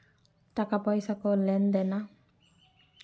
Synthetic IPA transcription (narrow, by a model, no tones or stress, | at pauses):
takapɔjsakɔlɛnd̪ɛna